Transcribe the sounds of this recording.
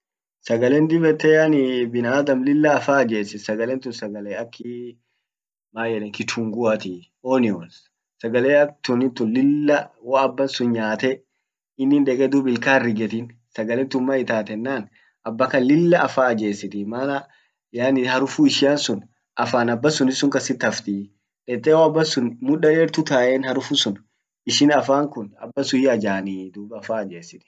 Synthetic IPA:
sɐɡɐlɛnd̪ɪbɛt̪ːɛjaːnɪbɪnaːd̪ɐmlɪlːɐːfaːɐd͡ʒeːsɪsɐɡɐlɛnt̪ʊnsɐɡɐleːɐkʰːɪ | maːjɛᶑɛŋkɪt̪ʰuŋɡʊɐt̪ɪ | oːnɪos | sɐɡɐleːɐt̪ʊnɪnt̪ʊnlɪlːɐwɐːbːɐnsʊnɲaːt̪ɛ | ɪnːɪnᶑɛkʼɛd̪uːbɪlkaːrːɪɡɛt̪ɪn | sɐɡɐlent̪ʊmːɐɪt̪aːt̪ɛnːaːn | ʔɐbːɐkɐlɪlːɐʔɐfaːɐd͡ʒe̞ːsɪt̪ɪmaːnɐ | jaːnɪhɐɾʊfuːɪʃɪjansʊn | ʔɐfaːnɐbːɐsʊnɪsːʊŋkɐsɪt̪ɐft̪i | ᶑɛt̪ːɛwoɐbːɐnsʊnmʊᶑɐɾeːɾt̪ʊt̪aːʔenhɐɾʊfusʊn | ɪʃɪnɐfaːŋkʊnɐ̰bːɐsʊjɐd͡ʒaːniːd̪ubɐfaːɐd͡ʒeːsɪt̪ɪ̥

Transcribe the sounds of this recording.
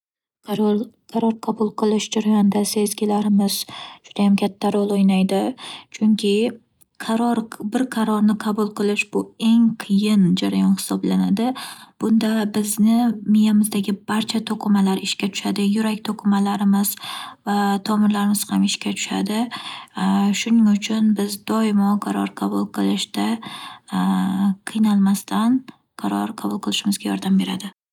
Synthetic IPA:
qʰɑɾɒɾqʰɑbʊlˠqʰɨlˠɪʃd͡ʒaɾajɒnd̪ase̞zɡʲɪlaɾɪmɪz̥ʃʊd̪̥ajamkʲʰat̪ʰːaɾɒlˠojnajd̪ɪt͡ʃʰʊŋkʲʰɪ | qʰɑɾɒɾbɪɾqʰɑɾɒɾnɪqʰɑbʊlˠqʰɨlˠɪʃbʊe̞ŋqʰɨjɪnd͡ʒaɾajɒnhɪ̥sɒblanad̪ɪb̥ʊnd̪abɪznɪmɪjamɪzd̪aɡʲɪbaɾt͡ʃʰat̪ʰoqʰɨmalaɾɪʃkʲat̪ʰʊ̥ʃad̪ɪjʊɾakʲt̪ʰoqʰɨmalaɾɪmɪz̥vat̪ʰɒmɪɾlaɾɪmɪz̥hamɪʃkʲat̪ʰʊ̥ʃa̰d̪ɪ | ʃʊnɪŋʊt͡ʃʰʊnbɪzd̪ɒɪmɒqʰɑɾɒɾqʰɑbʊlˠqʰɨlˠɪʃd̪a | qʰɨjnalˠmast̪ʰan | qʰɑɾɒɾqʰɑbʊlˠqʰɨlˠɪʃɪmɪzɡʲajɒ̰ɾd̪ambe̞ɾad̪ɪ

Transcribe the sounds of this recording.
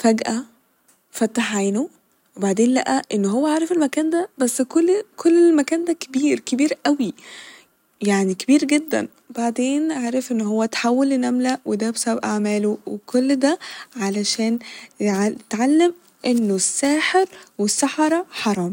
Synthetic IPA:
fæɡʔæ | fæt̪ːaħʕaːno | webaʕd̪eːnlæʔæʔenːɦowːæʕaːɾˤefelmækæːnd̪æbæsːkolːkʰolːelmækæːnd̪ækebiːɾkebiːɾʔæwi | jaʕnikebiːɾɡed̪ːæ̰n | baʕd̪eːnʕaːɾˤefʔenːɦowːæt̪ħawːelːnæmlæwed̪æbsæbʔaʕmæːlowekʰolːd̪æʕalæʃæːnʕt̪ʕalːem | ʔenːosːæːħeɾwesːaħɑɾˤɑħɑɾˤɑːm

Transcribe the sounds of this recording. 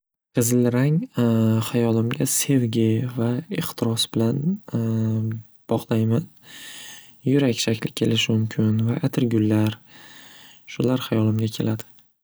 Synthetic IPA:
qʰɨzɪlɾaŋ | hajɒlɪmɡʲase̞vɡʲɪvaɪχt̪ʰɪɾɒsbɪlan | b̥ɒʁlˠajman | jʊɾakʲʃakʲʰlɪkʲʰe̞lɪʃɪmʊmkʲʰɪnvaʔat̪ʰɪɾɡʲʊlːaɾ | ʃʊlaɾhajɒlɪmɡʲakʲʰe̞̰lad̪ɪ̥

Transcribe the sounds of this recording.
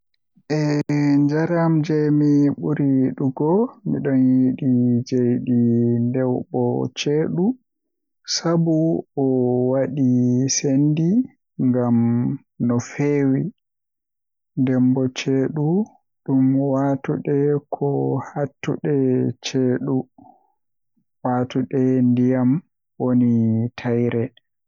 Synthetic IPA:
ʔɛɲd͡ʒaɾamd͡ʒɛjmiɓuɾiɗuɡɔmiɗɔnjiɗid͡ʒejɗindɛwɓɔt͡ʃeːɗu | sabuɔwaɗisendi | ŋɡam | nɔfeːwi | ndɛmbɔt͡ʃeːɗu | ɗumwaːtuɗɛkʰɔhatːṵɗɛt͡ʃeːɗu | waːtuɗɛndijam | wonitʰajɾɛ

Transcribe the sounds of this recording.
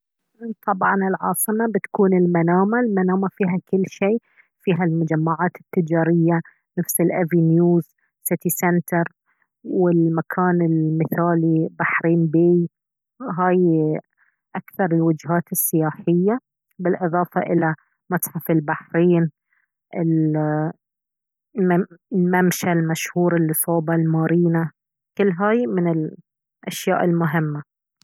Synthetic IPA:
t̪ˤʰɑbʕɑnɪlʕɑ̰ːsˤɨmabɪt̪ḁkuːnɪlmanaːmalmanaːmafiːɦakɪlːʃeː | fiːɦalmʊd͡ʒamːaʕaːt̪ɪ̥t̪ːɪd͡ʒaːɾɪjːa | nafsɪlʔavinjuːz | sɪt̪isɛnt̪ɑɾˤ | wɪlmakʰaːnɪlmɪθaːlibaħɾiːnbiː | ɦaːj | ʔakθɑɾˤɪlwʊd͡ʒɦaːt̪ɪsːɪjaːħɪjːa | bɪlʔɨðˤɑːfɑ̰ʔɪla | mɑsˤħɑfɪlbaħɾiːn | ʔɪl | lmamʃalmaʃhuːɾɪlːisˤoːbɑlmaːɾiːna | kʊlːɦaːjmɪnɪl | ʔa̰ʃja̰ːʔɪlmʊɦɪmːa

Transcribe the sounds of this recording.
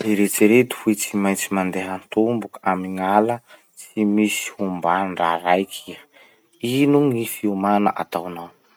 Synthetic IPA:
iɾet͡siɾet̪u̥fuit͡simajt͡simand̪eɦənt̪umbukamiŋalə | t͡simisi̥humbanɳɖ͡ʐaɾajkʰi | inuŋifiumanə̰ʔat̪awanaw

